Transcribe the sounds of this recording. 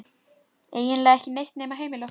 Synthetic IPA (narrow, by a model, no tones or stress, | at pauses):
eːjɪnlɛːɣɛhcɪnejht̪nɛːmaɦeːjmɪlœ